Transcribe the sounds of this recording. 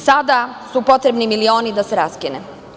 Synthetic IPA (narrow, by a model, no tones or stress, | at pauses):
sad̪asupo̞t̪ɾe̞bnimilio̞ːnid̪aseɾaskine